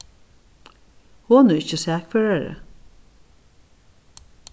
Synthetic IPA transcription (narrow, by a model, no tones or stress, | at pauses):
hoːnʊɪt͡ʃːəsæːkfɛːɹaɹə̰